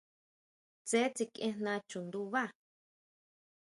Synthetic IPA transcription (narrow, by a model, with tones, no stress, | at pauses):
t͡se˦t͡si˧kẽ˧nnã˧t͡ʃũ˨nd̪u˧βa˦˨